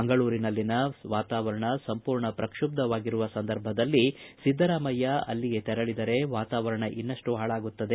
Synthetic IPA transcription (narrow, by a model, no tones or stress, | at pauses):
ɐŋɡɐɭuːɾinɐlːinɐʋaːt̪aːʋɐɾɐɳɐsɐmpuːɾɳɐpɾɐkʂub̚d̪ɐʋaːɡiɾuʋɐsɐnd̪ɐɾbʱɐd̪ɐlːisid̪ʱːɐɾaːmɐjːɐɐ̰lːiɡe̞t̪ɛɾɐɭid̪ɐɾe̞ʋaːt̪aːʋɐɾɐɳɐʔinːɐʂʈuɦaːɭaːɡut̪ːɐd̪e